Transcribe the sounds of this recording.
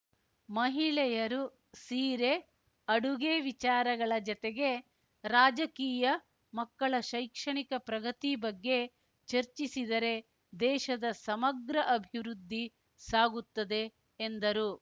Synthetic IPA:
mɐɦiɭɛjɐɾu | siːɾe | ɐɽuɡeːʋit͡ʃaːɾɐɡɐɭɐd͡ʒɔt̪eɡe̞ | ɾaːd͡ʒɐkiːjɐ | mɐkːɐɭɐʃɐjkʂɐɳikɐpɾɐɡɐt̪ibɐɡːe̞ | t͡ʃɐɾt͡ʃisid̪ɐɾe̞ | d̪ɛːʃɐd̪ɐsɐmɐɡɾɐʔɐbʱiʋɾud̪ʱːi | saːɡut̪ːɐd̪e̞ː | nd̪ɐɾu

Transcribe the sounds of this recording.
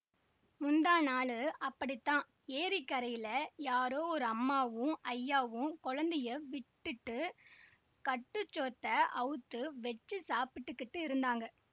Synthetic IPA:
mʊnd̪aːnaːɭɯɐpːɐɽit̪ːãː | eːɾikːɐɾɐjɪlɐjaːɾoːɔɾɯɐmːaːʋɯ̃ɐjːaːʋɯ̃kɔɻɐnd̪ɪjɐʋɪʈːɯʈːɯ | kɐʈːɯt͡ʃːoːt̪ːɐʔɐɯt̪ːɯʋɛt͡ʃːɯsaːpɪʈːɯkːɪʈːɯɪɾɯnd̪aːŋɡɐ

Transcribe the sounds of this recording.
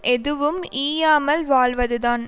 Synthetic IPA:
ʔɛðɯʋɯmiːjaːmɐlʋaːɭʋɐðɯðaːn

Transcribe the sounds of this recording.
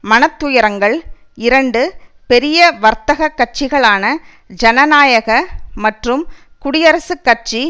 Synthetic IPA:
mɐnɐt̪ːʊjɐɾɐŋɡɐɭ | ɪɾɐɳɖɯ | pɛɾɪjɐʋɐɾt̪ɐɣɐkːɐʈ̚t͡ʃɪɣɐɭaːnɐ | d͡ʒɐnɐnaːjɐɣɐmɐʈrɯm | kʊɽɪjɐɾɐsɯkːɐʈ̚t͡ʃi

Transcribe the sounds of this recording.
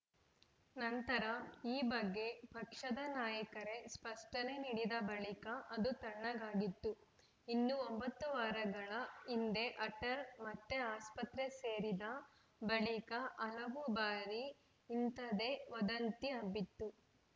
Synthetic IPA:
nɐnt̪ɐɾɐiːbɐɡːe̞pɐkʂɐd̪ɐnaːjɐkɐɾe̞spɐʂʈɐne̞niɽid̪ɐbɐɭikɐʔɐd̪ut̪ɐɳːɐɡaːɡit̪ːu | inːuombɐt̪ːuʋaːɾɐɡɐɭɐind̪e̞ʔɐʈɐɾmɐt̪ːe̞aːspɐt̪ɾe̞seːɾid̪ɐ | bɐɭikɐʔɐlɐʋubaːɾiː | nt̪ɐd̪e̞ʋɐd̪ɐnt̪iɐbːit̪ːu

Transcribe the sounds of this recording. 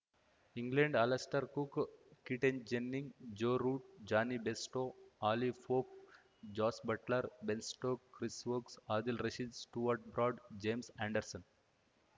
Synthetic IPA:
ĩŋɡlẽɳɖɐlɐsʈəɾkukkiʈẽnd͡ʒenːĩŋɡd͡ʒoːɾuːʈ̚d͡ʒaːnibesʈoːaːlifoːp̚ | d͡ʒɔːsbɐʈləɾbẽnsʈoːkːɾisʋoːksaːd̪ilɾeʃid͡ʒsʈuʋɐɾʈ̚bɾɔːɖd͡ʒẽːmsæ̃ːɳɖəɾsə̃n

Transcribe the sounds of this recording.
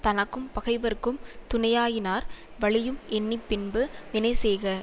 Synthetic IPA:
t̪ɐnɐkːɯmpɐɣɐɪʋɐɾkːɯmt̪ʊnɐjaːjɪnaːɾ | ʋɐɭɪjɯmʔɛnːɪpːɪnbɯʋɪnɐɪsɛjɣɐ

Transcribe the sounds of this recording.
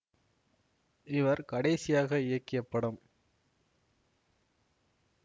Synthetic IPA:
ɪʋɐɾkɐɽɐɪsɪjaːɣɐɪɻɐkːɪjɐpːɐɽɯm

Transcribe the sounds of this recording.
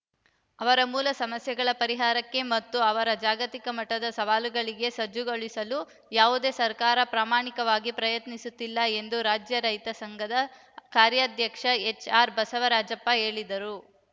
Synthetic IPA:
ɐʋɐɾɐmuːlɐsɐmɐsjɐɡɐɭɐpɐɾiɦaːɾɐkːe̞mɐt̪ːuɐʋɐɾɐd͡ʒaːɡɐt̪ikɐmɐʈːɐd̪ɐsɐʋaːluɡɐɭiɡe̞sɐd͡ʒuɡoɭisɐlu | jaːʋud̪e̞ːsɐɾkaːɾɐpɾaːmaːɳikɐʋaːɡipɾɐjɐt̪nisut̪ːilːɐe̞nd̪uɾaːd͡ʒjɐɾɐjt̪ɐsɐŋɡɐd̪ɐ | kaːɾjɐːd̪ʱjɐkʂɐe̞t͡ʃaːɾbɐsɐʋɐɾaːd͡ʒɐpːɐe̞ːɭid̪ɐɾu

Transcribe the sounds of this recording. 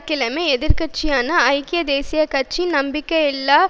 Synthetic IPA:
kːɪlɐmeːɛðɪɾkɐʈ̚t͡ʃijaːnɐːɪkɪjɐd̪eːsɪjɐkɐʈ̚t͡ʃinɐmbɪkːɐɛlːaː

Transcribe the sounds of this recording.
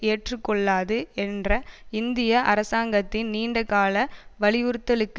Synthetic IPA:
eːʈrɯkːɔɭːaːðɯɛndrɐɪnd̪ɪjɐʔɐɾɐsaːŋɡɐt̪ːɪnniːɳɖɐkaːlɐʋɐɭɪʋʊɾɯt̪ːɐlɯkː

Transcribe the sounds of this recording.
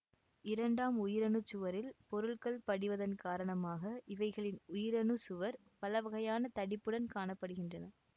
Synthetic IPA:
ɪɾɐɳɖaːmʊjɪɾɐnɯt͡ʃːʊʋɐɾɪlpɔɾɯɭkɐɭpɐɽɪʋɐðɐnkaːɾɐɳɐmaːɣɐʔɪʋɐɪɣɐɭɪnʊjɪɾɐnɯsʊʋɐɾ | pɐlɐʋɐɣɐjaːnɐt̪ɐɽɪpːɯɽɐnkaːɳɐpːɐɽɯɣɪndrɐnɐ

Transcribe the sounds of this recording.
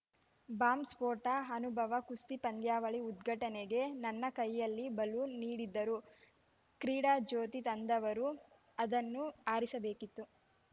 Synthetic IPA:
baːmspoːʈɐɦɐnubʱɐʋɐkust̪ipɐnd̪jaːʋɐɭiud̪ɡʱɐʈɐneɡe̞nɐnːɐkɐjːɐlːibɐluniːɽid̪ːɐɾu | kɾiːɽaːd͡ʒoːt̪it̪ɐnd̪ɐʋɐɾu | ɐd̪ɐnːuaːɾisɐbeːkit̪ːu

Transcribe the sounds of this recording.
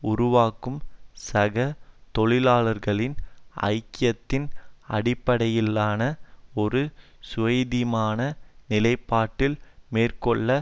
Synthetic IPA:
ʊɾʊʋaːkːɯmsɐɣɐt̪ɔɭɪlaːlɐɾɣɐɭɪnɐ̰ɪkːɪjɐt̪ːɪnɐ̰ɽɪpːɐɽɐjɪlːaːnɐɔɾɯsʊʋɐjðɪmaːnɐnɪlɐɪpːaːʈːɪlmeːrkɔɭːɐ

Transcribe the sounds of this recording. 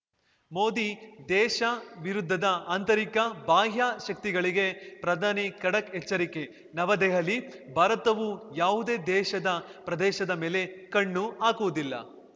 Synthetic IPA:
mo̞ːd̪id̪ɛːʃɐʋiɾud̪ʱːɐd̪ɐaːnt̪ɐɾikɐbaːɦjaːʃɐk̚t̪iɡɐɭiɡe̞pɾɐd̪ʱaːnikɐɽɐkɛt͡ʃːɐɾike̞ | nɐʋɐd̪ɛɦɐlːibʱaːɾɐt̪ɐʋujaːʋud̪e̞ːd̪ɛːʃɐd̪ɐpɾɐd̪ɛːʃɐd̪ɐmeːle̞kɐɳːuaːkuʋud̪ilːɐ̰

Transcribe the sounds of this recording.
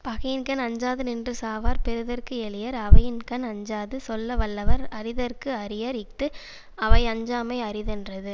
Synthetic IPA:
pɐɣɐjɪnkɐnɐɲd͡ʒaːðɯnɪndrɯsaːʋaːɾpɛɾɯðɐrkɯɛɭɪjɐɾɐʋɐjɪnkɐnɐɲd͡ʒaːðɯsɔlːɐʋɐɭːɐʋɐɾɐɾɪðɐɾkɯɐɾɪjɐɾɪkt̪ːɯ | ɐʋɐɪɐɲd͡ʒaːmɐɪɐɾɪðɛndrɐðɯ

